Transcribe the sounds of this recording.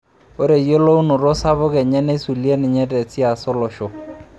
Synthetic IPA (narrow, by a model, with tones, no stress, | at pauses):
o˦ɾe˨jo˦lo˦u˦nʊ˨ɾo˦sa˦βʊ˦kɛ˨ɲɛ˦ne˦su˨lje˦nɪ˨ɲɛ˦tɛ˨t͡si˦a˨sɔ˦lɔ˨ʃo˨